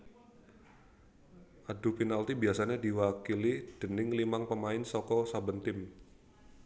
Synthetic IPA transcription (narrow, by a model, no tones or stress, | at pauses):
ʔadupinalt̪ibiasaɲadiwakilid̥ə̤nɪŋlimaŋpəmaɪnsɔkɔsabənt̪ɪm